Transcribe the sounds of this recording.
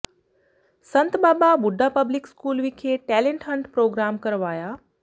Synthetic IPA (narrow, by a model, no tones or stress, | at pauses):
sɐnt̪baːbabʊɖʱːapəblɪkskuːlʋikʰeʈɛːlẽɳʈɦəɳʈpɾoːɡɾaːmkɐɾʋaːja